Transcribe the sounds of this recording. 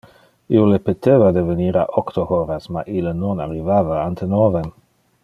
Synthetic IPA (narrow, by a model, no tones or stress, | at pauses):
iolepet̪evad̪eveniɾa̰ʔokt̪ohoɾasma̰ʔilenonaɾivavaant̪ʰenovem